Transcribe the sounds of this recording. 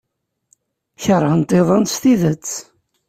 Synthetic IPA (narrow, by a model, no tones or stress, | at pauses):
çəɾˤːɑnt̪ˤeðˤɑnst̪iðət͡sː